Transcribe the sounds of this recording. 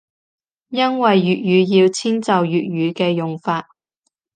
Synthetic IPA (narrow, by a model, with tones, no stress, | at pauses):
jɐ˥nwɐ˨jɥyː˨t̚jyː˨˧jiː˧wt͡sʰiː˥nt͡sɐ˨wjyː˨t̚ɥyː˨˧kɛː˧jʊ˨ŋfaː˧t̚